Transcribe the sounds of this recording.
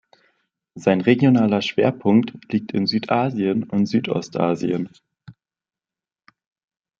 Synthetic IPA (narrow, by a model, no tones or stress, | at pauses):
zaɪnʁeɡjonaːlɐʃv̥eːɐpʰʊŋktliːk̚tʰɪnzyːtʔaːziənʊntz̥yːtʔɔ̰stʔa̰ːzḭən